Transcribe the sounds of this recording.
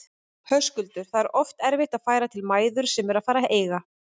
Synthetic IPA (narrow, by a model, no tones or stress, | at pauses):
hœskʏlt̪ʏɾ̥θaðɛɾʔɔft̪ɛɾvɪht̪aðfaːjɾat̪ʰɪlmaːjðʏɾ̥sɛmɛɾaðfaːɾaʔeːjɣa